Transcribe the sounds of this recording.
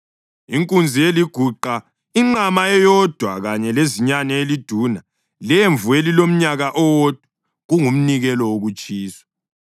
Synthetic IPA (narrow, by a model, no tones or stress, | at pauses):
iŋkʼund͡zʱieliɡ̥ʱuǃa | iŋ͡ǃamaɛjɔd̥ʱwaɣaɲɛleziɲanɛelid̥ʱuːna | leɱvuelilom̩ɲaɣaʔɔwod̥ʱu | ɣuŋum̩niɣɛlɔwoɣut͡ʃʼiːswḁ